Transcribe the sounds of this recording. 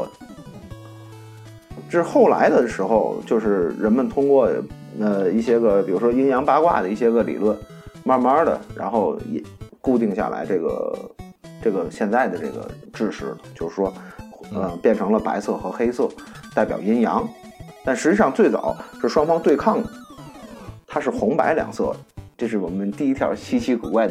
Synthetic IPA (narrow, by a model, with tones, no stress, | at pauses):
ʈ͡ʂɻ̩˥˧xo˥˩ʊla̰˧˥ɪd̪ə˨ʂɻ̩˧˥xo̰˧ʊt͡ɕjo˥˧ʊʂɻ̩˥˩ɻə˧˥nmə˨nt̪ʰʊ˥ŋkwɔ˥˩ | ə˧i˥˩ɕjɛ˥ɡə˧pi˨˩ɻu˧˥ʂwɔ˥ji˥njɑ˧˥ŋpa˥kwa̰˥˩d̪ə˩i˥˩ɕjɛ˥ɡə˨lḭ˨˩lwə˥˩n | ma˥mə˥d̪ə̰˨ɻa̰˧˥nxo˥˧ʊjɛ̰˨˩ku˥˧t͡ɕ̪i˥˧ŋɕja̰˥˩la̰˧˥ɪʈ͡ʂɤ˥˩ɡə̰˩ | ʈ͡ʂɤ˥˩ɡə˩ɕjɛ˥˧nt͡sa˥˩ɪd̪ə˩ʈ͡ʂɤ̰˥˩ɡə̰˩ʈ͡ʂɻ̩˥˧ʂɻ̩˧˥lə˩t͡ɕjo˥˧ʊʂɻ̩˥˧˩ʂwɔ˥ə˧˩pjɛ˥˩nʈ͡ʂʰɤ˧˥ŋlə˧pa̰˧˥ɪsɤ˥˩xɤ˧˥xe˥ɪsɤ˥˩t̪a˥˩ɪpjɑ̰˨˩ʊji˥njɑ˧˥ŋt̪a˥˩nʂɻ̩˧˥t͡ɕi˥˩ʂɑ˥˧ŋt͡swe˥˩ɪt͡sɑ̰˨˩˦ʊʂɻ̩˥˩ʂwɑ˥ŋfɑ˥ŋt̪we˥˧ɪkʰɑ˥˩ŋd̪ə˩ | t̪ʰa˥ʂɻ̩˥˩xʊ˧˥ŋpa˧˥ɪljɑ̰˨˩ŋsɤ̰˥˩ʈ͡ʂɤ˥˧ʂɻ̩˥˩wɔ˨˩mə˦nt̪i˥˩i˥t̪ʰjɑ̰˧˥t͡ɕʰi˥t͡ɕʰi˧˥kṵ˨˩wa˥˩ɪ